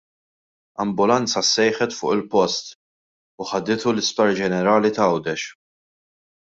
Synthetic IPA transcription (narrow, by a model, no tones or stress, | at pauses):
ɐmbʊlɐnt͡sɐsːɛjħɛt̪fʊ̰ːʔɪlpɔst̪ | ʊħɐd̪ɪt̪ulɪspɐɾd͡ʒɛnɛɾɐːlit̪ɐɐwd̪ɛʃ